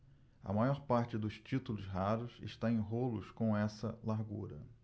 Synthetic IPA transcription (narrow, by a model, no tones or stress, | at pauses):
ɐ̰majɔɾpaɾt͡ʃɪd̪ʊst͡ʃit̪ulʊsɦaɾʊsɪ̰ʃt̪aẽj̃ɦolʊ̰skõw̃ɛsɐ̰laɾɡuɾɐ̰